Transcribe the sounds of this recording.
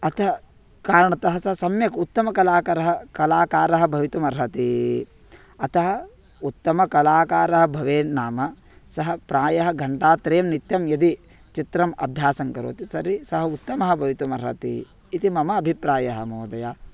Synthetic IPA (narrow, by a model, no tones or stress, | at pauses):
ɐt̪ɐɦɐ | kaːɾɐɳɐt̪ɐɦɐsɐɦɐsɐmjɐkut̪ːɐmɐkɐlaːkɐɾɐɦɐkɐlaːkaːɾɐɦɐbʱɐʋit̪umɐɾɦɐt̪i | ɐt̪ɐɦɐ | ut̪ːɐmɐkɐlaːkaːɾɐɦɐ̆bʱɐʋeːnaːmɐ | sɐɦɐpɾaːjɐɦɐɡʱɐɳʈaːt̪ɾeːmnit̪jɐmjɐd̪i | t͡ʃit̪ɾɐmɐ̰bʱjaːsɐŋkɐɾo̰ːt̪isɐɾisɐɦɐut̪ːɐmɐɦɐbʱɐʋit̪umɐɾɦɐ̰t̪ḭː | t̪imɐmɐːbʱipɾaːjɐɦɐmoːd̪ɐjaː